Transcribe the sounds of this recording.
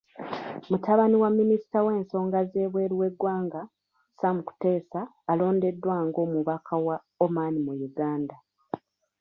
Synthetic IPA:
mutaβaniwamːinisi̥tawe̞ːnso̞ːŋɡaze̞ːβwe̞ːɾiwe̞ɡːwaːŋɡa | samuku̥te̞ːsaː | lo̞ːnde̞dːwaːŋɡo̞ːmuβakʰawa | o̞manimujuɡaːnda

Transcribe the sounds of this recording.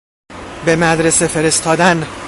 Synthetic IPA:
be̞mæd̪ɾese̞feɾe̞st̪ʰɒːd̪æn

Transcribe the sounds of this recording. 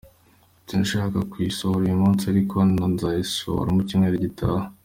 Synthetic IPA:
tinʃaːkakwisohoɾujomunsaɾikonanzaiso̰o̰ɾamucimŋeɾeɟitʰaha

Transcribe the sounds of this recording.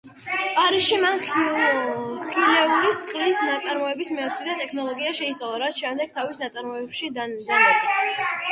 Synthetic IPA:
pʼaɾiʃiman | χilɛuɾisχʼlisnat̪sʼaɾmɔɛbismɛɔt̪ʰid̪at̪ʼɛkʰnɔlˠɔɡiaʃɛist̪sʼalˠaɾat̪ʰʃɛmd̪ɛɡ̥̚t̪ʰavisnat̪sʼaɾmɔɛbʃid̪and̪ana

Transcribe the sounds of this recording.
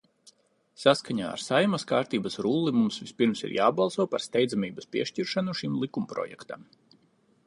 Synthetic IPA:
saskaɲa̰ːa̰ɾsajmɐskaːɾt̪iːbɐsɾulˠːimumsvispiɾmsḭɾjaːbɑlˠsuɔpaɾst̪ɛjd̪zamiːbɐspʲiɛʃciɾʃanuʃimlˠikumpɾɔ̰jɛ̰kt̪am

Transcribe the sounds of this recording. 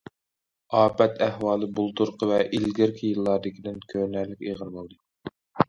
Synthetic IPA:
ɑːpɛt̪ʰæhwɑːlˠɨbulˠt̪uɾqʰəvɛʔilɡʲɪɾkʲʰijɨlˠːɑɾd̪ɪkʲʰid̪ɪnkʲʰønæɾlːɪkʲiʁəɾbolˠd̪ɨ

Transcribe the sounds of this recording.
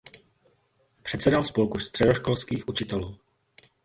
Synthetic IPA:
pr̝̥ɛt̪sɛdalspolkust̪r̝̥ɛdo̞ʃkolskiːxʔut͡ʃɪt̪ɛluː

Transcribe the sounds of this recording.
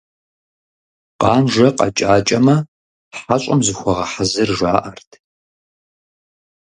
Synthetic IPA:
qɑːnʒɐqʼɐ̰t͡ʃʼaːt͡ʃʼɐmɐ | ħaɕʼɐmzɨxʷɔʁɐħazɨrʒaːʔɐrtʰ

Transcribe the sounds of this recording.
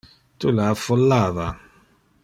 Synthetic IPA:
t̪ulafɔlːava

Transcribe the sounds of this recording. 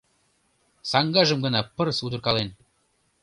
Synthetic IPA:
sɑŋɡɑʒə̆mɡə̆nɑpə̆rsud̪ɤ̆rkɑlen

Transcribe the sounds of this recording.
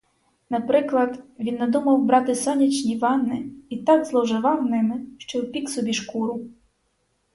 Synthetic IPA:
nɐpɾɪklˠɐd̪ʋʲinːɐd̪umɐwbɾɑt̪ɪsɔnʲit͡ʃnʲiʋɑnːɪit̪ɑɡzlˠɔwʒɪʋɑwnɪmɪʃt͡ʃɔwpʲiksɔbʲiʃkuɾʊ

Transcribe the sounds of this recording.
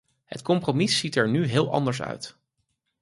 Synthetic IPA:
ɦə̰tkɔmpromisitɛɹnyɦɪːlˠɑ̰ndəɹsœ̰ɥt

